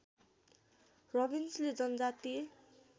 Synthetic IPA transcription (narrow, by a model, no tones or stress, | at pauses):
rʌbinsled͡zʌnʌd͡zat̪ie